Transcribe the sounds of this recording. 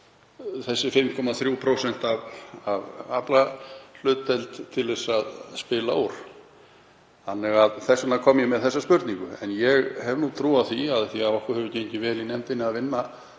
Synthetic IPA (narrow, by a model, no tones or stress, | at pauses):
θɛsːɪfɪmkʰɔmaθɾjuːwpʰɾowsɛn̥t̪avavaplal̥ʏːt̪ːɛlt̪t̪ʰːɪlɛsːaðspɪːlaowɾ̥ | θanːɛɣaðθɛsat̪nakʰɔmjɛmɛðθɛsːaspʏɾt̪niŋkʏɛ̰njɛɣhɛvnut̪ʰɾuːaθiaðθiavɔhkʏhɛvʏceɲcɪvɛːlinɛm̥t̪ɪnːɪaðvɪnːa